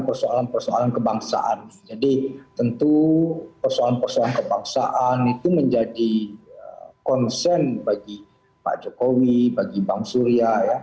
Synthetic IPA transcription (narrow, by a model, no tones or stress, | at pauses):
npərsoalanpərsoalankəbaŋsa̰ʔanɪd͡ʒadit̪ənt̪upərsoalanpərsoalankəbaŋsaʔanit̪uməɲd͡ʒadiəkɔnsɛnbaɡi | pa̰ʔd͡ʒokowibaɡibaŋsuɾiaja